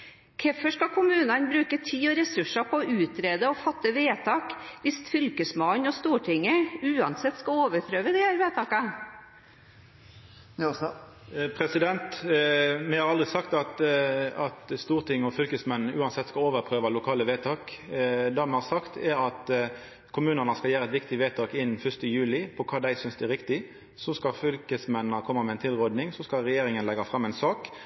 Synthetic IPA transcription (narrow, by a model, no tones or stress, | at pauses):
kʰɛfɔʂkɑkʰʊmʉːnɑnbɾʉːkət̪ʰiːɔɾɛsʉʂəpʰɔɔʉːt̪ɾeːd̪əɔfɑt̪ːəʋeːt̪ʰɑːkʋɪst̪fʏlkəsmɑnɔst̪uːʈʰɪŋːəʉːɑnsɛt̪ːskɑoːʋəɾpʰɾøːʋəd̪ɪhæɾʋeːt̪ʰɑːkɑ | pʰɾɛsɪd̪ɛnt̪ | mɛhɑɾʁɑld̪ʁɪsɑkt̪ɑt̪ɑt̪st̪uːʁt̪ʰɪŋːɔfʏlkəsmɛn̩ʉːɑnsɛt̪ːskɑloːʋəɾpʰɾøːʋɑlʊkʰɑːləʋeːt̪ʰɑːkd̪ɑːmɛhɑːɾsɑkt̪ʰɛɾɑt̪ | kʰʊmʉːnənəskɑljæːɾəɛt̪ʋɪkt̪ɪʋeːt̪ʰɑːkɪn̩ːfʏst̪əjʉːlɪpʰɔkʰɑːd̪æɪsʏnsd̪ɛæɾɪkt̪ɪ | sɔskɑfʏlkəsmɛnːəkʰɔmːəmɛɪnt̪ʰɪlʁoːd̪nɪŋsɔskɑɾɛjeːɾɪŋənlɛɡɑfʁɑmːɛɪnsɑːk